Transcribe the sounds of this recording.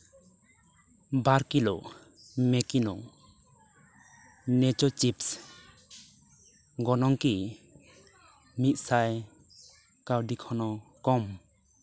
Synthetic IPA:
baɾkilɔʔ | mɛkinɔ̰ŋ | nɛt͡ʃɔt͡ʃips | ɡɔnɔŋki | mit̪̚ˀsaj | kawdikʰɔnɔkɔm

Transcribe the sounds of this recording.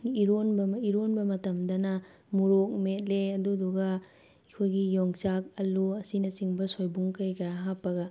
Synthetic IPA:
iɾonbɐmiɾonbɐmɐtɐmdɐnɐ | muɾok̚met̚leɐduduɡɐ | ikʰojɡijoŋt͡ʃak̚ɐluɐsinɐsiŋbɐsojbuŋkɐɾikɐɾaɦapːɐɡɐ

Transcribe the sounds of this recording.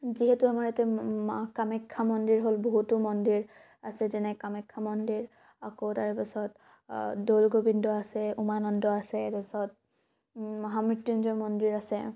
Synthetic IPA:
ziɦetuamaɹɛtɛkamɛkʰːamɔndiɹɦolboɦutʊmɔndiɹ | asɛzɛnɛkamɛkʰːamɔndiɹ | akotaɹpasɔt | dolɡobindɔasɛumanɔndɔasɛtasɔt̚ | mɔɦamɹitjinzɔmɔndiɹasɛ

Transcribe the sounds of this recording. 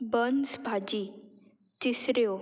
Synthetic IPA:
bənsbʱad͡ʑi | t̪isɾeo

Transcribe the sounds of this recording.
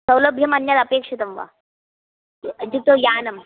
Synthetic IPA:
səwləbʱjɐmɐnjat̪ɐpeːkʂit̪ɐmʋa̰ | d͡ʑit̪ojaːnɐm

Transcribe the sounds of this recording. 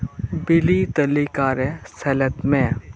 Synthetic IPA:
bɪliːt̪ɐlikaːɾesɐlɐt̪mẽː

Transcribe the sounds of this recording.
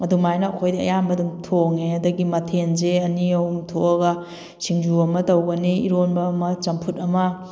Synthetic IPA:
ɐdumajnɐːkʰojdiɐ̰jamɐdumtʰoŋeɐdɐɡimɐtʰenzeɐniɐwumtʰoɐɡɐ | siŋd͡ʒuɐmɐtɐwɡɐniiɾonbɐmɐt͡ʃɐmpʰutɐmɐ

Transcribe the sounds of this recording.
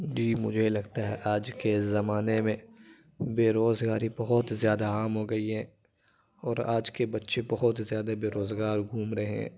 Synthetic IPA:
d͡ʒiːmʊ̰d͡ʒʱelɐɡt̪aɦɛʔaːd͡ʒkezɐmaːnemẽ | beːɾoːzɡaːɾibɐɦɔt̪zjaːd̪aaːmɦoɡɐiɦɛ̃ː | ɔːɾa̰ːd͡ʒkebɐtːʃebɐɦɔt̪zjaːd̪abeːɾoːzɡaːɾɡʱuːmɾɐɦeɦɛ̰̃ː

